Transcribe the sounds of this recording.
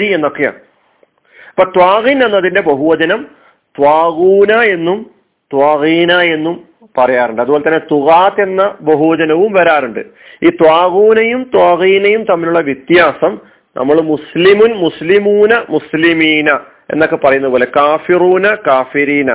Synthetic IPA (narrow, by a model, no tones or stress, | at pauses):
ɾie̞nːo̞kːeja̰ːɳ | ɐpːoːt̪waːɣinenːɐðinde̞bɐɦuʋɐd͡ʑɐnɐm | t̪waːɣuːnɐe̞nːum | t̪waːɣiːnɐe̞nːum | pɐrɐjaːɾuɳɖɨɐðɨuboːlet̪ɐnːe̞t̪uɣaːt̪e̞nːɐbɐɦuʋɐd͡ʑɐnɐʋumʋɐɾaːɾuɳɖɨ̰iːt̪waːɣuːnɐjumt̪waːɣiːnɐjumt̪ɐmːiluɭːɐʋjit̪jaːsɐm | nʔɐ̰mːɐɭmuslimunmuslimuːnɐmuslimiːnɐ | e̞̰nːo̞kːe̞pːɐrɐjunɐðɨpoːle̞kaːfiruːnɐkaːfiɾiːnɐ̰